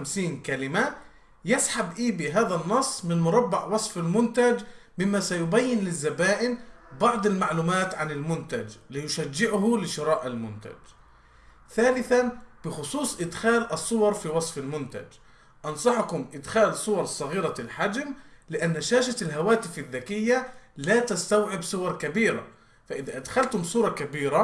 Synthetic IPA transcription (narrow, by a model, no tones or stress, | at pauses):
amsiːnkalɪma | jɪsħabʔiːbiɦaːðanːɑsˤːmɪnmʊɾˤɑbːɑʕwɑsˤfalmʊnt̪ad͡ʒmɪmːasajʊbajːɪnlɪzːabaːʔɪnbɑʕd̪ˤɪlmaʕluːmaːt̪ʕanɪlmʊnt̪ad͡ʒlɪjʊʃad͡ʒːɪʕʊɦʊlɪʃɪɾˤɑːʔalmʊnt̪a̰d͡ʒ | θaːlɪθanb̥ɪxʊsˤuːsˤʔɪd̪xaːlʔɑsˤːʊwɑɾˤfiːwɑsˤfalmʊnt̪a̰d͡ʒ | ʔɑnsˤɑħʊkʊmʔɪd̪xaːlsˤʊwɑɾˤsˤɑɣiːɾɑlħad͡ʒmlɪʔanːaʃaːʃalɦawaːt̪ɪfaðːakɪjːalaːt̪ast̪awʕɪbsˤʊwɑɾˤkabiːɾa̰ | faʔɪðaʔad̪xalt̪ʊmsˤuːɾˤɑkabiːɾa